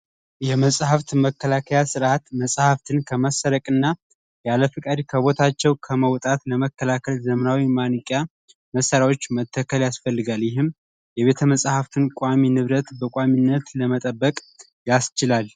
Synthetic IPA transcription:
jɛməsʼhaft̪məkːəlakʰəjasɨɾʔat̪məsʼhaft̪ʰɨnkʰəməsːəɾəkʼɨnːa | jaləfɨkʼad̪kʰəβo̞t̪ʰat͡ʃːɛwkʰəməwt̪ʼat̪ləməkʰːəlakʰəlzəmənawimanɨkʼja | məsːəɾawo̞t͡ʃːmət̪ʰːəkʰəljasfəlːɨɡaljɪɦɨm | jɛβe̞t̪ʰəməsʼhaft̪ʰɨnkʷʼaminɨβɾət̪bəkʼaminːət̪ləmət̪ʼəbːəkʼ | jast͡ʃɪlal

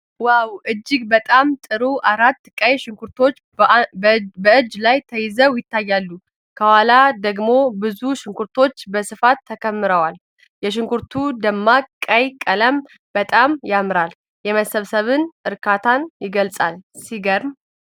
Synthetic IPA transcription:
wawʔɨd͡ʒːɪɡbət̪ʼamt̪ʼɨɾuʔaɾat̪ːkʼəjʃɪŋkʰuɾt̪ʰo̞t͡ʃː | bəɨd͡ʒːlajt̪ʰəjɪzəwjɪt̪ʰːajːalːu | kʰəwalad̪əɡmo̞bɨzuʃɪŋkuɾt̪ʰo̞t͡ʃːbəsɨfat̪ʰːəkʰəmːɨɾəwal | jɛʃ̬ɪŋkʰuɾt̪ʰud̪əmːakʼːəjkʼələm | b̥ət̪ʼamjamɾal | jɛməsəβsəβɨnʔɨɾkʰat̪ʰanjɪɡəlsʼalsiɡəɾm

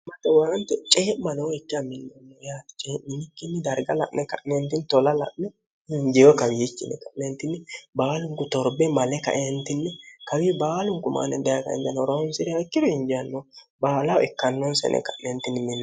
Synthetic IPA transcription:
mɐt̪ːɛwɐɾɐnt̪ɛt͡ʃʼeːʔmːɐnɛwɔɛkːɪjamɪnːɔnːɔjaːt̪ɪ̥t͡ʃʼeːʔmɪnɪkːɪnːɛd̪ɐɾɡɐlɐ̰ʔnɛkɐʔnɛnt̪ɪnt̪ɔlɐlɐ̰ʔnɛ | ɪɲd͡ʒɛjɔkɐwɪjɪt͡ʃːɪnɛ̰kɐʔnɛnt̪ːɪnːɛbaːlʊŋkʊt̪ɔɾbɛmɐlɛkɐ̰ʔɛnt̪ɪnːɛkɐwiːbaːlʊŋkʊma̰nɛd̪ɛjakɐ̰ʔɛ̰nt̪ɐnɾonsɪɾɛɐɪkːɪd̪ɔɪnd͡ʒɪjɐnːɔ | baːlawɛkːɐnːɔnsɛ̰nɛ̰kɐʔnɛnt̪ɪnmɪnː

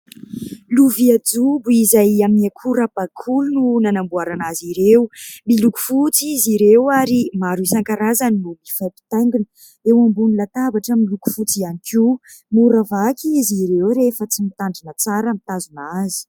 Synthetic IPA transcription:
luviad͡zubuizajaminiakʰuɾab̥akʰulununanambuaɾanaziɾewmiluku̥fut͡siziɾewaɾimaɾusaŋkaɾazaninumifapi̥t̪aŋɡunə̥ | ewambunilat̪abaʈ͡ʂəmiluku̥fut͡sianikʰu | muɾavakiiziɾewɾefət͡simit̪aɳɖ͡ʐinət͡saɾəmit̪azunazi̥

